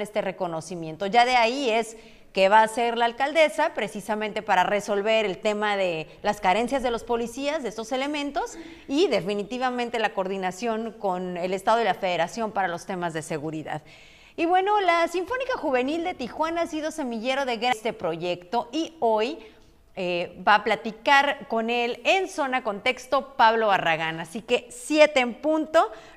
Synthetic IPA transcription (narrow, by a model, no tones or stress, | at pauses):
ne̞st̪e̞re̞ko̞no̞simje̞nt̪o̞ʝaðe̞aie̞s | keβaːse̞ɾlaːlkald̪e̞sapɾe̞sisamẽnt̪e̞paɾare̞so̞lβe̞ɾe̞lt̪e̞maðe̞ | laskaɾe̞nsjazðe̞lo̞spo̞lisiazðeest̪ose̞le̞mẽ̞nt̪o̞s | iðe̞finit̪iβamẽnt̪e̞lako̞ɾðinasjo̞ŋko̞ne̞le̞st̪að̞o̞ilafe̞ð̞e̞ɾasjo̞mpaɾalo̞st̪emazðe̞se̞ɣuɾiða̰ð | iβwe̞no̞lasiɱfo̞nikaxuβe̞nild̪e̞t̪ixwanaaːsið̞o̞se̞miʝe̞ɾo̞ðe̞ɣɾest̪e̞pɾo̞ʝe̞kt̪o̞ʔio̞j | ebaːplat̪ikaɾko̞ne̞lenso̞nako̞nt̪e̞kst̪o̞paβlo̞βaraɣanasike̞sjet̪e̞ːmpunt̪o̞